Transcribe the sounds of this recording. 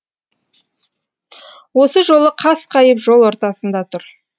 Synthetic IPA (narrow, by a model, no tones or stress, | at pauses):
wo̞səʒo̞lˠəqʰɑsqʰɑjəpʒo̞lˠwoɾt̪ɑsənd̪ɑt̪ʰʊɾ